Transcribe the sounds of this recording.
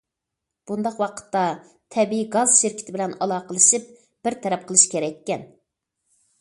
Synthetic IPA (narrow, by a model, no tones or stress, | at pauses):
b̥und̪ɑqwɑqʰə̥t̪ːɑ | t̪ʰɛbiiɡɑz̥ʃɪɾkʲiɪt̪ʰɪbɪlɛnɑlˠɑːqəlˠɨʃip̚ | b̥ɪɾt̪ʰɛɾɛp̚qʰəlˠɨʃkʲʰeɾɛkʲːɛn